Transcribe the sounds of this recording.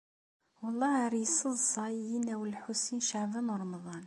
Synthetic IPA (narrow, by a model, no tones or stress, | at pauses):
wəlˤːɑɾisˤəzˤɑjinæwəlħusinʃaʕbænuɾˤmðˤɑn